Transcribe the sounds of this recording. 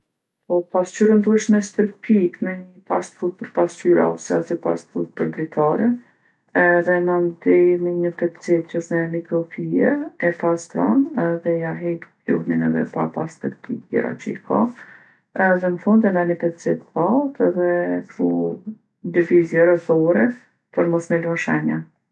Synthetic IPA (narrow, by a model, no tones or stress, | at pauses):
pɔpast͡ʃyɾənd̪uɛʃmɛst̪əɾpʰikmɛɲəpast̪fɾut̪̚pəɾpascyɾa̰ɔsɛasipa̰st̪fut̪̚pəɾd̪ɾit̪ʰaɾɛ | ɛðɛnand̪ɛməɲəpɛt̪t͡sɛt̪t͡ʃɔʃnɛmikɾɔpʰijɛɛfast̪ɾɔ̰nɛðɛjaɦɛt̪kuɾninɛ̰ðɛ̰pa̰past̪əɾt̪ḭɛ̰ɾa̰t͡ʃəikʰa | ɛðɛnəfund̪ɛnd̪anəpɛt̪t͡sɛt̪balt̪ɛðɛkɾu | d̪əvizjɛɾɛzɔɾɛ | pɔɾmɔsmɛlɔʃɛɲɛ